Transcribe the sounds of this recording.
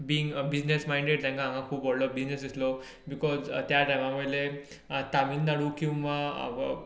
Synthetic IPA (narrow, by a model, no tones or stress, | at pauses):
biiŋɡbid͡znesmajĩɳɖeʈtãŋkaɦãŋɡãkʰuːpːɔɽlɔbid͡znesd̪islɔ | bikɔzt̪jaʈajmaməjle | t̪amiːnd̪aɽuːkĩw̃ʋa